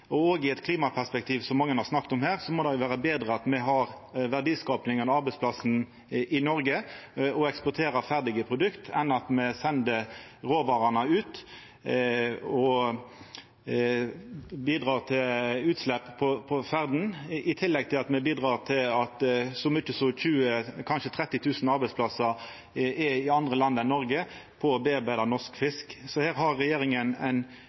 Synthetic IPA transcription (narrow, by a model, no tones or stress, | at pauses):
ɔoːɡɪɛt̪kʰliːmɑpʰæʁspɛk̚t̪ʰiːʋsɔmːɑŋːənhɑʁsnɑkːt̪ɔmhæːʁsɔmɔd̪ɛjʊʋæːʁəbeːd̪ʁəɑt̪mɛɦɑʁʋæʁɖ̪iːskɑːpnɪŋənɑɾbɛɪspʰlɑsn̩ | ʔɪnɔɾɡəɔɛkspʊt̪ʰeːɾəfæʁd̪ɪɡəpʰʁʊd̪ʉkt̪ʰɛnːɑt̪mɛsɛnd̪əʁoːʋɑːʁɑnəʉːt̪ | ɔ | biːd̪ʁɑːʁt̪ʰɪlʉːt̪slɛpːpʰɔpʰɔfæʁd̪n̩ɪt̪ʰɪlːɛɡ̚t̪ʰɪlɑt̪mɛbiːd̪ʁɑːʁt̪ʰɪlɑt̪sɔmʏt͡ʃːəsɔçʉːəkʰɑnʃət̪ʰʁɛt̪ːɪt̪ʰʉːsn̩ɑɾbæɪtspʰlɑsə | ɛɪɑnd̪ʁəlɑnd̪ənɔʁɡə | pʰɔːbeːɑʁbæɪd̪ɑnɔʂkfɪsksɔhæːʁɦɑʁːɛjeːɾɪŋənæ̰ɪn